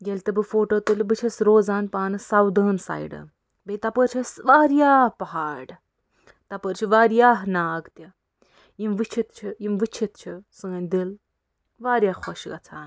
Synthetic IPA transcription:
ɡelʲt̪ɐbɨfoːʈoːt̪ɨlʲbɨt͡ʃʰɐsɾoːzaːnpaːnɨsɐwd̪ɐːnsa̰ːjɖɐ̰ | bet̪ɐpəɾt͡ʃʰɐsʋaːɾjaːhpɐɦaːɾɖ | t̪ɐpəɾt͡ʃʰiʋaːɾjaːɦnaːɡt̪ʲɐ | jimʋɨt͡ʃʰit̪t͡ʃʰijimʋɨt͡ʃʰit̪t͡ʃʰisɨŋɐnʲd̪il | ʋaːɾʲjaːkʰoʃɡɐ̰t͡sʰaːn

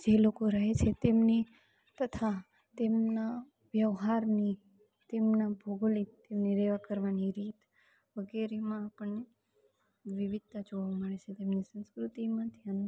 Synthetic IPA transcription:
d͡ʒelokoɾəɦet͡ʃʰet̪emni | t̪ət̪ʰa | t̪emna | ʋjəʋɦaɾni | t̪emnabʱoɡlit̪emniɾeʋakəɾʋaniɾit̪ | ʋəɡeɾemãapəɳne | ʋɪʋɪd̪̚t̪ad͡ʒoʋaməɭet͡ʃʰet̪emnisə̃nskɾut̪imãd̪ʱjan

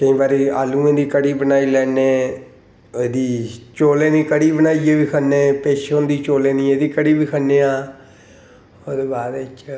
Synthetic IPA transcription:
kəĩːbaːɾiːaːlũːẽːd̪iːkəɽiːbənaːiːlɛːneː | eːd̪iːt͡ʃoːleːnĩːkəɽiːbənaːieːʋiːkʰənːeːpeːʃond̪iːt͡ʃoːleːnĩːeːd̪iːkəɽiːbiːkʰənːeːaː | oːd̪eːbaːd̪ɪt͡ʃ

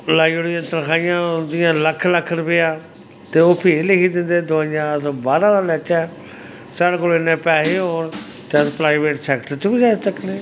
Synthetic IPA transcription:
laːioɽɪjãːt̪əɾkʰaːɪjãːʊnd̪ɪjãːləkʰːləkʰːənpɪjaː | t̪eːoːpʰiːɪlekiːd̪ɪ̃nd̪eːd̪oɪjãːəs̬baːɾãːd̪aːlɛːt͡ʃɛː | saːɽkʊlɪnːẽːpɛːɦeːɦoːn | t̪eəspɾaːɪʋeːʈsɛːkʈəɾt͡ʃbid͡ʒaːsəkneː

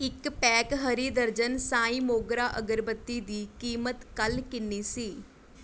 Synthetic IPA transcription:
ɪkpɛːkɦəɾiːd̪əɾd͡ʒənsaːĩːmoːɡɾaːʔəɡəɾbət̪ːiːd̪iːkiːmət̪kəlkɪnːiːsiː

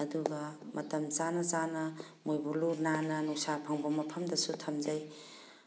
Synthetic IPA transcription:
ɐduɡɐmɐtɐmt͡ʃanɐt͡ʃanɐ | mojbuluɾnanɐnuŋsapʰɐŋbɐmɐpʰɐmdɐsutʰɐmd͡ʒaj

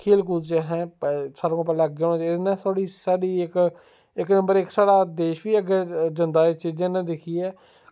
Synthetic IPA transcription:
kʰeːlk̬uːd͡ʒeɦɛ̃ːsaːɾõːpɛlaɡɡãt͡ʃɪnɛ̃ːsʰoːɽiːsaːɽiːɪk | ɪknə̃mbəɾɪksaːɽaːd̪eːʃʋiːəɡɛːd͡ʒənd̪aːt͡ʃiːd͡ʒẽnɛ̃d̪ɪkʰiːɛː

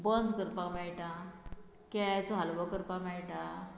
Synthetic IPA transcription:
bənd͡zkəɾpamɛɭʈa | kajt͡sɔɦalʋɔkəɾpamɛɭʈa

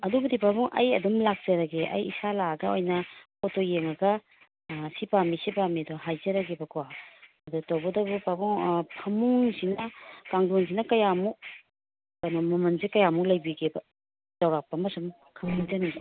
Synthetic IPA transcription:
ɐdubɐdipabɔŋʔɐ̰jɐ̰dumlak̚t͡ʃɐɾɐɡeʔɐ̰jḭsalaɐɡɐojnɐpʰotojeŋɐɡɐ | sipamisipamiɐdoɦajzɐɾɐɡebɐkwaɐdutawbɐdɐbupabuŋpʰɐmuŋsinɐkaŋdons̬inɐkɐjamu | ojnɐmɐmɐnzekɐjamulɐjbiɡebɐ | z̥ɐwɾak̚pɐmɐsum | kʰɐmuŋd͡ʒɐnibɐ

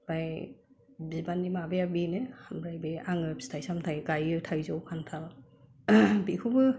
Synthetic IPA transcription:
b̥aj | bibanːimabeabinehamɾajbeʔaŋɯbsi̥tʰajsamtʰajɡajɯtʰajzɔwkʰantʰal | bikʰubɯ

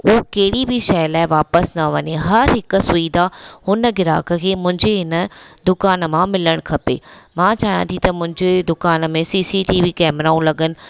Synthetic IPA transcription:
ookɐɦɪɽibʱiʃɐːlaːɪʋaːpəsnɐʋɐɲeɦɐɾɦɪksʊiːd̪ahʊnəɡɪɾa̰ːkə̆kʰeːmʊ̃ɦɪ̃ɲd͡ʑeɦɪnəd̪ʊkaːnəmãmɪləɽ̃kʰɐpḛːmãːt͡ɕaːɦijã̰t̪ʰĩt̪ɐmʊ̃ɦɪ̃ɲd͡ʑed̪ʊkaːnəmẽsiːsiʈiːʋiːkɛːmɾaːũlɐɡənɪ̆

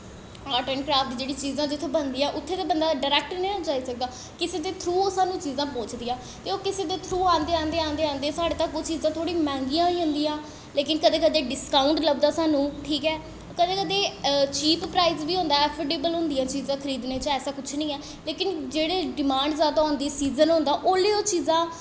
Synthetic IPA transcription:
aːʈəːɳkɾaːfʈ̪d͡ʒeːɽiːt͡ʃiːzãːd͡ʒɪt̪ʰːõːbənd̪iːɛ̃ːʔʊt̪ʰːeːd̪eːbənd̪aːɖəːɾɛːk̚ʈnə̃õːt͡ʃaːiːsək̚d̪aː | kɪseːd̪eːt̪ʰɾuːoːsaːnũːt͡ʃiːzãːpõːt͡ʃd̪iːãː | t̪eːoːkɪseːd̪eːt̪ʰɾuːãːnd̪eːãːnd̪eːãːnd̪eãːnd̪eːsaːɽeːt̪əkoːt͡ʃiːzãːt̪ʰoːɽĩːmɛ̃ːŋɡijãːiːɦʊ̃nd̪iːãː | leːkɪnkəd̪eːkəd̪eːɖɪskaːʊɳʈləbd̪aːsaːnũːʈʰiːkɛː | kəd̪eːkəd̪eːt͡ʃiːppɾaːɪzbiːɦõːnd̪aːɛpʰeɖeːbəlɦʊ̃nd̪ijãːt͡ʃiːzãːkʰəɾiːd̪neːt͡ʃɛːsaːkʊt͡ʃʰnəĩːɛː | leːkɪnd͡ʒeːɽeːɖɪmãːɳɖzaːd̪aːɦõːnd̪iːsiːzənɦʊ̃nd̪aːʔoːleːoːt͡ʃiːzãː

